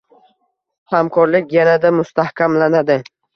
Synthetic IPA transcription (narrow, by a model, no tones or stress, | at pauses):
hamkʰɒɾlɪkʲjanad̪amʊst̪ʰahkʲʰamlanad̪ɪ